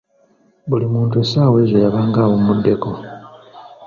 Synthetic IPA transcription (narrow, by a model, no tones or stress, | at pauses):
bulimuːntuesaːwe̞ːzojaβaːŋɡaːβomudːe̞ko̞